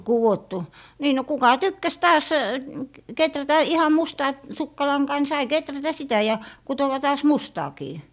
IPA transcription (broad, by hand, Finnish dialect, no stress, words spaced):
kuwotːu niː no kukɑ tykːæs tɑːs ketrætæ ihɑm mustɑː sukːɑlɑŋkɑː ni sɑi ketrætæ sitæ jɑ kutowɑ tɑːs mustɑːkiː